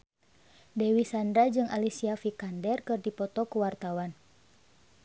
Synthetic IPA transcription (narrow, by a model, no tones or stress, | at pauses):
dɛwisandɾad͡ʒɨŋʔalisiafikandɛrkɨrdipɔt̪ɔkuwart̪awan